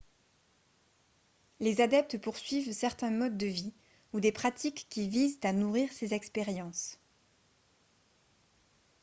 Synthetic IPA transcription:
lezad̪ɛp̚t̪puʁsɥivsɛʁt̪ɛ̃mɔd̪ːəvi | ud̪epχat̪ikːʲivizt̪anuʁiʁsezɛkspeʁjɑ̃s

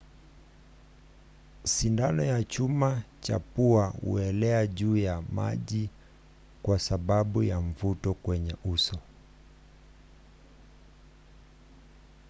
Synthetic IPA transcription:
sindanɔjat͡ʃumat͡ʃa̰puahṵɛlɛaʄuːjama̰ʄi | kwasaɓaɓujaɱvutɔkwɛɲɛʔusɔ

